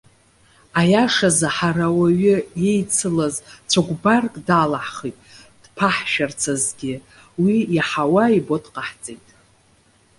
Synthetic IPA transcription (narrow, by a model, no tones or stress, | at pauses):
ajaʂazaħaɾawaɥɪje̞jt͡sʰɨlazt͡sʷʰaɡʷbarkʼdalaħχitʼ | d̥pʰaħʃart͡sʰazɡʲɪ | wiaħawaibo̞tʼqʼaħt͡sʼejtʼ